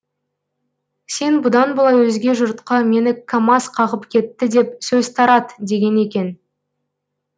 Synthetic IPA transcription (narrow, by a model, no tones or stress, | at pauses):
se̞nbʊd̪ɑnbolˠɑjwɵzɡʲe̞ʒʊɾt̪qɑme̞nɪkʰamɑsqʰɑʁəpkʲʰe̞t̪ːɪd̪e̞psɵzt̪ʰɑɾɑd̪d̪e̞ɡʲe̞ne̞kʲe̞n